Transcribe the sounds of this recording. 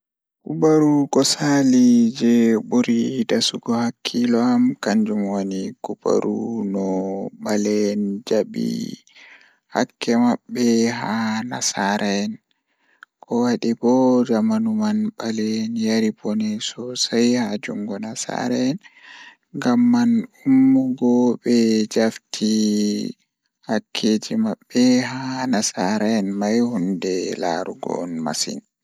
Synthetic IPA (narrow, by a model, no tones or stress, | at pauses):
kubaɾukɔsalid͡ʒɛbuɾidasuɡɔhakʰːilɔamkaɲd͡ʒumwonikuba̰ɾṵnɔɓalɛnd͡ʒaɓḭ | ha̰kʰːɛmaɓːɛɦanasaɾʔɛn | kʰɔwaɗibɔd͡ʒamanumanɓalɛnjaɾibɔnɛsɔsajhad͡ʒuŋɡɔnasa̰ɾɛn | ɡamːanumːuɡɔbɛd͡ʒaftʰi | hakʰːeːd͡ʒimaɓːɛhanasaɾanmajhundɛla̰ɾṵɡɔ̰nma̰sḭn